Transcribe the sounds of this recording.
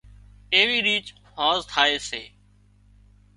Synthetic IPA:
eːʋiːɾiːt͡ʃ | hãːzt̪ʰaːeːseː

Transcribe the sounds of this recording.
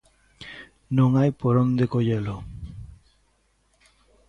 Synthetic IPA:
noŋajpɔɾɔnd̪ekojelo

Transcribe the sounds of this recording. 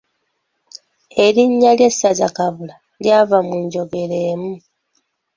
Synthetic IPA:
e̞ɾiɲːalje̞sːazakaβula | ljaːβamuɲɟo̞ɡe̞ɾe̞ːmu

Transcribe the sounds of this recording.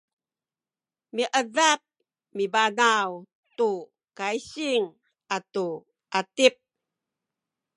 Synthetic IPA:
miʔəðap̚ | mibanaw | tu | kaiɕiŋ | ʔatu | ʔatip̚

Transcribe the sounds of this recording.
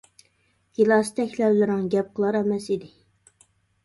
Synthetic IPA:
ɡ̥ilˠɑst̪ʰɛkʲlɛwlɪɾɪŋɡʲɛp̚qʰəlˠɑɾɛmɛsid̪ɪ

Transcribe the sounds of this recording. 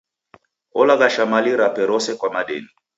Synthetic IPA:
ɔlaɣaʃamaliɾapɛɾɔsɛkwamaɗɛ̰ni

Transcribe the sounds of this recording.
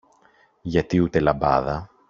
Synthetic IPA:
ʝɐt̪iut̪e̞lɐbɐ̰ðɐ

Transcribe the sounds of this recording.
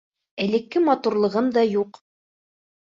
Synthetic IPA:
ælɘ̆kːɘmɑt̪uɾlˠɤ̆ʁɤmd̪ɑjuq

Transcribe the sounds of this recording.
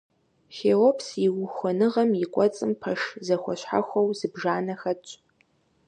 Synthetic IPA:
xeːlopʰsiwʊxʷɔnɨʁɐmikʷʼɔt͡sʼɨmpʰɐʂzɐxʷɔ̰ɕħa̰xʷɐwzɨbʒaːnɐxɐt͡ʃʼ

